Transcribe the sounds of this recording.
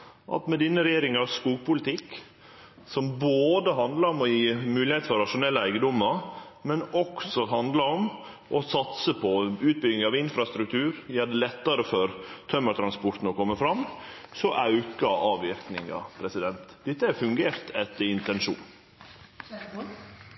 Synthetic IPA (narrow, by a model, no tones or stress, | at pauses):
ʔɑ̰t̪mɛd̪inːəɾɛjeːɾɪŋɑɾskuːɡpʊlɪt̪ɪk | sɔmboːd̪əɦɑnd̪lɑɾɔmɔjiːmʉːlɪheːt̪fɔɾɑʂʊnɛlːəæɪɡəd̪ɔmːəɾ | mɛnɔksɔɦɑnd̪lɑɾɔm | ʔɔsɑt̪səpʰɔʉːt̪̚bʏɡnɪŋɑʋɪnfɾɑst̪ɾʉk̚t̪ʰʉːɾjæːɖ̪ɛlɛt̪ːɑɾəfɔɾt̪ʰœməʈ̪ʰɾɑnspɔɾt̪n̩ɔkɔmːəfɾɑm | sɔʔɑʉkɑɑːʋɪɾknɪ̰ŋɑ̰pʰɾɛsɪd̪ɛnt̪d̪ɪt̪ːəæɾfʉŋɡeːɾt̪ʰɛt̪ːəɾɪnt̪ɛnʂṵːn